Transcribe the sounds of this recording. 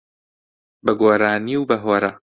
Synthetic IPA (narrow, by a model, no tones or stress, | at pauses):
bɐɡoːɾaːniwbɐɦoːɾɐ